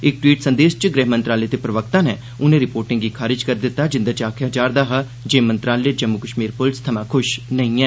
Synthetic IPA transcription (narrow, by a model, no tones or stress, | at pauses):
ɪk̚ʈwiːʈsə̃nd̪eːʃt͡ʃɡɾeːɦmə̃nt̪ɾaːleːt̪eːpɾəʋəkt̪ãːnɛː | ʊnẽːɾɪpoːɾʈɪ̃ŋɡɡiːkʰaːɾɪd͡ʒkəɾd̪ɪt̪ːaːd͡ʒɪnd̪aːt͡ʃaːkʰjaːd͡ʒaːɾd̪aːɦa | d͡ʒeːmə̃nt̪ɾaːleːd͡ʒəmːʊkəʃmiːɾpʊlst̪ʰəmãːkʰʊʃnəĩːɛː